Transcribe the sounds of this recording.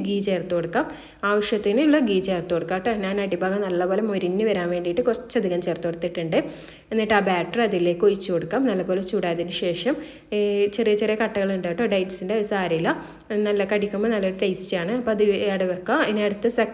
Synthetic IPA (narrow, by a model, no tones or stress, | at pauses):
ɡiːt͡ɕe̞ːrt̪ːukoɽukːaːm | aːʋɐʂjɐt̪ːinɨlːoɡiːt͡ɕe̞ːrt̪uko̞ɽukːaːʈːɨɐðinaːnɐɽibʱaːɡɐmnɐlːɐpo̞ːlɐmo̞ɾinːɨʋɐɾaːnʋe̞ːɳɖijiʈːɨkurɐt͡ɕːɐd̪ʱiɣaːmt͡ɕe̞ːrt̪ːukoɽut̪ːiʈːuɳɖɨ | e̞nːijʈːɨaːbaːʈːɐrɐðile̞ːkːojit͡ɕːukoɽukːaːmnɐlːɐbo̞ːlet͡ɕuːɽaːɐðinɨɕe̞ːʂɐm | t͡ɕerijɐt͡ɕerijɐkɐʈːɐɣɐɭuɳɖaːjiʈːoːɖɐjʈsindesaːɾɐilːɐ | nɐlːɐkɐɽikʲːumbonɐlːɐuɽeʈɐjstaːɳɨɐpːoɐðɨɐɽɐʋokːɐðineɐɽut̪ːɐsɐ